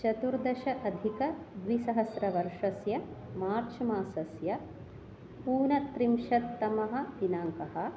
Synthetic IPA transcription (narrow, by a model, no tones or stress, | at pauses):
t͡ʃɐt̪uɾd̪ɐʃɐʔɐd̪ʱikɐd̪ʋisɐɦɐsɾɐʋɐɾʂɐsjɐmaːɾt͡ʃʰɐmaːsɐsjɐ | puːnɐt̪ɾimʃɐt̪ːɐmɐɦɐ̆ʋinaːŋkɐɦɐ̆